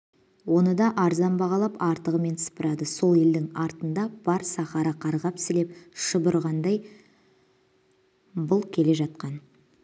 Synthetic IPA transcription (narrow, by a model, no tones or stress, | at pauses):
wo̞nəd̪ɑʔɑɾzɑmbɑʁɑlˠɑpɑɾt̪əʁəme̞nsə̥pəɾɑd̪əso̞lˠe̞ld̪ɪŋɑɾt̪ənd̪ɑb̥ɑɾsɑχɑɾəqʰɑɾʁɑpsɪle̞p̚ʃəbəɾʁɑnd̪ɑj | bʊlˠkʲʰe̞le̞ʒɑt̪̚qɑn